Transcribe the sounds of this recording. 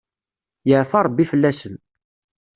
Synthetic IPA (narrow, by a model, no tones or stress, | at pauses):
jəʕfɑɾˤbːifəlːæsən